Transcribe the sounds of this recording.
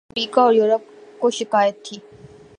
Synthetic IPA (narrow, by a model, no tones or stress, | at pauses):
ɾiːkaɔːɾjuːɾəp̚koʃɪkaːjət̪ʰːiː